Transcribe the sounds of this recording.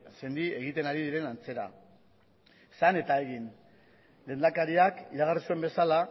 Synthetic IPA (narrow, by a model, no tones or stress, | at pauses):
se̞nd̪ie̞ɣ̞it̪e̞naɾiðiɾe̞nant͡se̞ɾa̰ | sane̞t̪ae̞ɣin | le̞ːnd̪akaɾiakiɾaɣarisue̞mbe̞sala